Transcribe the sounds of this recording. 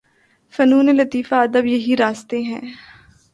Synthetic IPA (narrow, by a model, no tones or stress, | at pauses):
fɐnuːnelɐt̪iːfaɐd̪əbjɐɦiɾaːst̪eɦɛ̃ː